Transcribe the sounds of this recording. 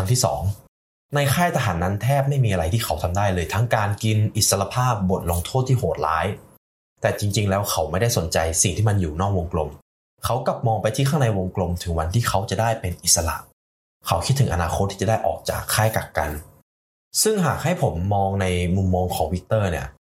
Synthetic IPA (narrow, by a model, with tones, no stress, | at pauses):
a˧ŋt̪ʰiː˥˩sɔ̰ː˩˦ŋ | na˧jxʰaː˥˩jt̪ʰa˧ɦaː˩˦nːa˦˥nt̪ʰɛː˥˩p̚ma˥˩jmiː˧ʔa˧ɾa˧jt̪ʰiː˥˩kʰa˦˥wt̪ʰa˧mdaː˥˩jlɤː˧jt̪ʰa˦˥ŋkaː˧nki˧nʔi˨˩t̪̚sa˧la˧pʰaː˥˩p̚bo˨˩t̪̚lo˧ŋt̪ʰoː˥˩t̪ʰːiː˥˩hoː˨˩t̪̚la̰ː˦˥j | t̪ɛː˨˩t͡ɕi˧ŋt͡ɕi˧ŋlɛː˦˥wkʰa˦˥wma˥˩jda˥˩jso˩˦nt͡ɕa˧jsi˨˩ŋt̪iː˥˩ma˧njuː˨˩nɔː˥˩k̚wo˧ŋklo˧m | kʰa˦˥wkla˨˩p̚mɔː˧ŋpa˧jt̪ʰiː˥˩xʰa˥˩na˧jwo˧ŋklo˧mt̪ʰɯ˩˦ŋwa˧nt̪ʰiː˥˩kʰa˦˥wt͡ɕa˨˩daː˥˩jpe˧nʔi˨˩t̪̚sa˧la̰˨˩ʔ | kʰa˦˥wkʰt̪ʰːɯ˩˦ʔa̰˧naː˧xʰo˦˥t̪ʰːiː˥˩t͡ɕa˨˩da˥˩jʔɔ̰ː˨˩k̚t͡ɕa̰ː˨˩kʰːaː˥˩jka˨˩k̚ka̰˧n | sɯ˥˩ŋɦaː˨˩k̚ha˥˩jpʰo˩˦mːɔː˧ŋna˧jmu˧mːɔː˧ŋkʰɔː˩˦ŋwi˦˥k̚t̪ɤː˥˩ni˦˥˩ɐ